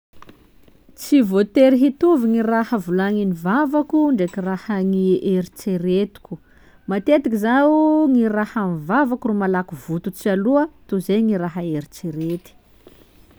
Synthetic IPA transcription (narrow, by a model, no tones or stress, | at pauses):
t͡sivot̪eɾiɦit̪uviŋirahəvulaŋinivavakuɳɖ͡ʐekirahəŋieɾit͡seɾet̪u̥kʲu̥ | mat̪et̪ikizauŋirahanivavakurumalakuvut̪ut͡sialuət̪uzejŋiɾaɦəeɾit͡seɾet̪i̥